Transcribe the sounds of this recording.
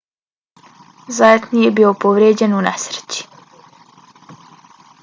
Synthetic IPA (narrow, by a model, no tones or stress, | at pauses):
zajet̪nijebiːopoʋɾeːd͡ʑenunesɾe̥t͡ɕi̥